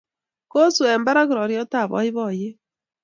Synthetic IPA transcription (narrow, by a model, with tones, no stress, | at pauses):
ko˦su˨ɛ˨mba˦ɾa˦ɣu˦ɾɔ˨ɾjɔ˦ta˦˨βɔ̰˨˦i˦βɔ˦˨je˦